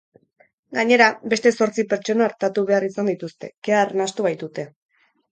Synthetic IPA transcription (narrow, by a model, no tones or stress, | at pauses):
ɡaɲe̞ɾabe̞st̪e̞so̞ɾt͡sipe̞ɾt͡ʃo̞noaɾt̪at̪uβe̞arisand̪it̪ust̪e̞̰keaːrnast̪uβajt̪ut̪e̞